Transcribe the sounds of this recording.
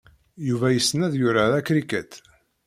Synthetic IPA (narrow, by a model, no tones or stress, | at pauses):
juvæjəsːnæðjʊɾaðækɾikæt̪